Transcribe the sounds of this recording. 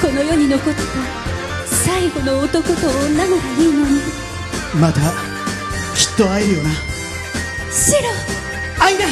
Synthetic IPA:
ko̞no̞jo̞ːɲ̟ino̞ko̞t̪ːe | saiɡo̞noːt̪o̞ko̞t̪oːnanoɡaɯɯnoɲi | mat̪a | kʲi̥t̪ːo̞aiɾɯjo̞na | ɕiɾo | aina

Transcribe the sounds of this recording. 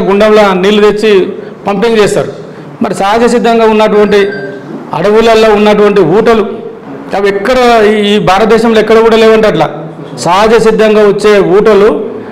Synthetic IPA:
ɡuɳɖɐmlɐːniːlud̪et͡ʃːi | pɐmpiŋɡud͡ʒeːst̪a̰ːɾu | mɐɾisaɦad͡ʒɐsid̪ːɐŋɡaːunːɐʈuʋɐɳʈi | ɐ̰ɽɐʋulɐlːoːunːɐʈ̬uʋɐɳʈiʋuːʈɐlu | ɐʋɛkːɐɽɐiːbʱaːɾɐt̪̚d̪ɛːʃɐmloɛkːɐɽɐkuːɽɐleːʋɐɳʈɐʈla̰ː | saːd͡ʒɐsid̪ʱːɐŋɡaːʋot͡ʃːeːuːʈɐlu

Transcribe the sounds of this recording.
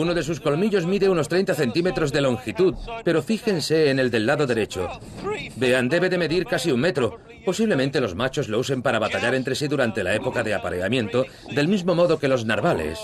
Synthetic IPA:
uno̞ðe̞s̬usko̞lmiʎo̞zmiðeuno̞st̪ɾejnt̪aθe̞nt̪ime̞t̪ɾo̞zðe̞lo̞ŋxit̪uðpe̞ɾo̞fixe̞nse̞ːne̞ld̪e̞lːaðo̞ðe̞ɾe̞t͡ʃo̞ | be̞and̪e̞βe̞ðeme̞ðiɾkasiuŋme̞t̪ɾo̞ | po̞siβle̞mẽnt̪e̞lo̞zmat͡ʃo̞zlo̞use̞mpaɾaβat̪aʎaɾent̪ɾe̞siðuɾant̪e̞la̰e̞po̞kaðeapaɾe̞a̰mjẽ̞nt̪o̞ | d̪e̞lmizmo̞mo̞ðo̞ke̞lo̞znaɾβale̞̰s

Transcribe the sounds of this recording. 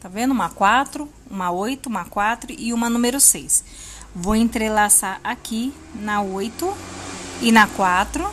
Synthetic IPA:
t̪avẽnd̪ʊũmɐkwat̪ɾʊ | ũmɐojt̪ʊũmɐkwat̪ɾʊʔɪũmɐnũmeɾʊsejs | vowẽnt̪ɾelasaɾʔaki | nɐojt̪ʊ | ɪnɐkwat̪ɾʊ

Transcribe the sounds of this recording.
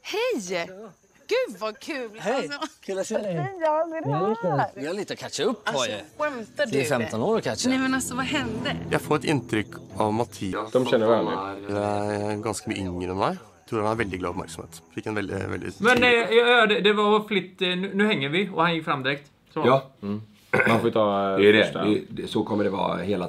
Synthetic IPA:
hɛj | ɡ̥ʉvɑkʰʉːlhɛ | ɪɑliːt̪əɔkʰæt͡ʃːaʊpːɔwɛmt̪ːfɛmt̪ɔnoːɾɔkʰæʃnɛmɛnasɔvɑɦɛnd̪əjæɪfoːɾɛt̪ɪnt̪ʰɾʏkːɑʋmɑt̪ʰiːd̪ɔmɕɛnːəɾʋæːɭɪæɡɑnskəmyːəʏŋːɾəɛnmæɪ | t̪ʰɾuːɾɑnːɾʋɛld̪ɪɡlɑ̰ːɔpmæ̰ɾksɔmhḛːt̪fɪkːɛnʋɛld̪ɪ̰ʋɛ̰ld̪ɪ̰mɛnjjɑd̪ɛd̪ɛʋɑɾflɪt̪ːnʉnʉːhɛŋːəɾʋɪɔhɑnjɪkːfɾamːd̪ɪɾɛkt̪ | sɔjɑː | anfɔʋɪt̪ʰɑɾɛ̰dsɔkʰɔmːəɖɛʋɑ̰ːheːla

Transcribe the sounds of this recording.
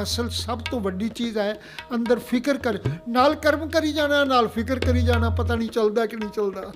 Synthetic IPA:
əsəlsəbt̪õːʋəɖiːt͡ʃiːzaːeː | ə̃nd̪əɾpʰɪkəɾkəɾnaːlkəɾəmkəɾiːd͡ʒaːɽ̃ãːnaːlpʰɪkəɾkəɾiːd͡ʒaːɽ̃aːpət̪aːnĩːt͡ʃəld̪aːkɪnĩːt͡ʃəld̪aː

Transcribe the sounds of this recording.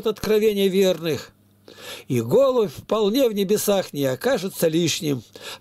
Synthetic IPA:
t̪ɐt̪kɾɐvʲenʲɪjəvʲernɨx | iɡolˠʊfpɐlˠnʲevnʲɪbʲɪsaxnʲɪɐkaʐɨt̪səlʲiʂnʲɪm

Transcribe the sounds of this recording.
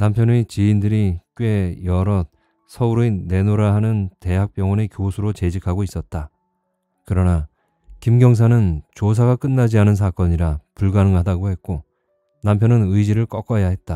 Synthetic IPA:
nampʰjʌnet͡ɕiːndɯɾik͈we̞jʌɾʌt̚ | sʰʌuɾene̞noɾaɦanɯnte̞ɦak̚p͈jʌŋwʌnekjosʰuɾot͡ɕe̞d͡ʑikʰaɡois͈ʌt̚t͈a | kɯɾʌna | kimɡjʌŋs̬ʰanɯnt͡ɕos̬ʰaɡak͈ɯnːad͡ʑianɯns̬ʰak͈ʌɲiɾapuɭɡanɯŋɦadaɡohe̞t̚k͈o | nampʰjʌnɯnɯid͡ʑiɾɯɭk͈ʌk͈ʌjaɦe̞t̚t͈a

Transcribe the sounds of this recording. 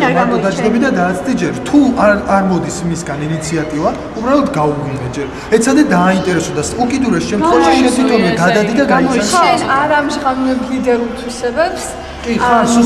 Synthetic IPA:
maɾt̪ʼɔd̪ad͡ʒɡ̪ɛbid̪ad̪aːt̪sʰt̪ʼid͡ʒɛɾt̪ʰuaaɾmɔd̪isimisɡaninit̪sʰiat̪ʼiva | ubɾalɔt̪ʰɡauvvinɛd͡ʒɛɾ | ɛt̪sʰad̪ɛd̪aːint̪ʼɛɾɛsɔd̪asukʼid̪uɾɛsʃɛmt̪χɛvaʃiɛt̪ʰit̪ʰɔmɛd̪ad̪ad̪id̪aɡamɔsaaɾamʒʁamnɛblid̪ɛɾulˠt̪ʰwisɛbɛps | kʼias

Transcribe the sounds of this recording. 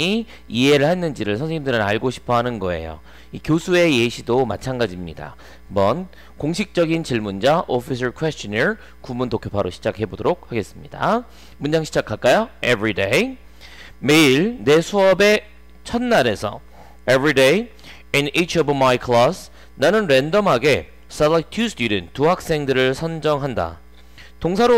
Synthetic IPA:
i | iɦe̞ɾɯɭhenːɯnd͡ʑiɾɯɭsʰʌnsʰeɲimdɯɾɯnaɭɡoɕʰi̥pʰʌɦanɯnɡʌe̞̰jo̰ | ikjosʰue̞jeɕʰidoma̰t͡ɕʰanɡad͡ʑimɲida̰ | bʌn | koŋɕʰik̚t͡ɕ͈ʌɡint͡ɕiɭmund͡ʑaʔʌpʰis̬ʰɯɭkʰwest͡ɕʌneɹ | kumuntokʰopʰaɾoɕʰi̥d͡ʑakhe̞bodoɾok̚haɡe̞s͈ɯmɲida̰ | mund͡ʑaŋɕʰid͡ʑakʰaɭk͈ajoebɾidej | me̞iɭne̞sʰuʌbe̞ | t͡ɕʰʌnːaɾe̞sʰʌ̰ | ebɾidej | init͡ɕʰʌbmajkʰlʌs | nanɯnɾendʌmɦaɡe̞ | s͈alatʰust͈judɯnt͈ːuɦak̚s͈e̞ŋdɯɾɯɭsʰʌnd͡ʑʌŋɦanda̰ | toŋsʰaɾo

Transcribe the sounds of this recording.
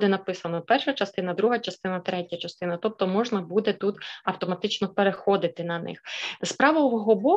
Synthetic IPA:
d̪ɛnɐpɪsɐnɔpɛrʃɐt͡ʃɐst̪ɪnɐd̪ɾuɦɐt͡ʃɐst̪ɪnɐt̪ɾɛtʲɐt͡ʃɐst̪ɪnɐt̪ɔp̚t̪ɔmɔʒnɐbud̪ɛt̪ut̪ɐwt̪ɔmɐt̪ɪt͡ʃnɔpeɾexɔd̪ɪt̪ɪnɐnɪ̰xspɾɑʋɐʋɔɦɔbɔ

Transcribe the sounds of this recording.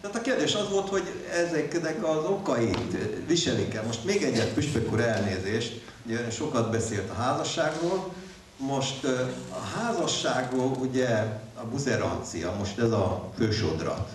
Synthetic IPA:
t̪aːt̪ɒkeːrd̪eːʃɒzʋoːlt̪ho̞ɟɛzɛknɛkɒzo̞kɒeːt̪ʋiʃɛlikɛlmo̞ʃt̪meːɡɛɟːɛt̪pyʃpøkuɾɛlneːzeːʃt̪ | uɟɛʃo̞kɒd̪bɛseːlt̪ɒɦaːzɒʃːaːɡroːl | mo̞ʃt̪ɒɦaːzɒʃːaːɡroːluɟɛ | ɒbuzɛɾɒ̰nt̪sijɒ̰mo̞ʃt̪ɛzɒføːʃo̰d̪rɒ̰

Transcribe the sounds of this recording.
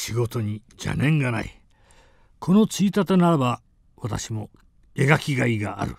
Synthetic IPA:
ɕiɡo̞t̪o̞ɲ̟i | d͡ʑa̰nẽ̞ŋɡana̰ḭ | kʰo̞no̞t͡sɨit̪at̪enaɾaba | βat̪a̰ɕimo̞ | eɡakʲiɡaiɡa̰ːɾɯ̟̰

